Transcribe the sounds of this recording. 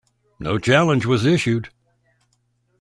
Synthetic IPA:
noʊt͡ʃʰælˠə̃nd͡ʒwʌzɪʃʉd̥

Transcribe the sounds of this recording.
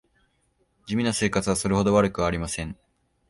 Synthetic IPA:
d͡ʑimʲinose̞ːkat͡sɨβaso̞ɾeho̞d̪o̞βaɾɯ̟kɯ̟βaːɾʲimasẽ̞ŋ

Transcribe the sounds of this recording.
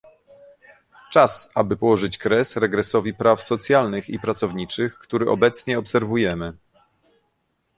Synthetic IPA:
t͡ʂasabɘpɔwɔʐɘt͡ɕkɾɛsɾɛɡɾɛsɔvʲipɾafsɔt̪sʲjalnɘxḭpɾat̪sɔvɲit͡ʂɘxkt̪uɾɘʔɔ̰bɛt̪sɲɛɔpsɛɾvujɛmɘ

